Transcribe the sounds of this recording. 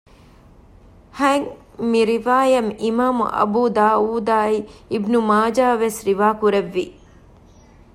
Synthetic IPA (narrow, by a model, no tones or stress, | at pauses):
hɐŋ | miɾiʋaːjɐmimaːmṵʔɐ̰buːd̪aːuːd̪aːiibnumaːd͡ʒaːʋesɾiʋaːkuɾeʋːi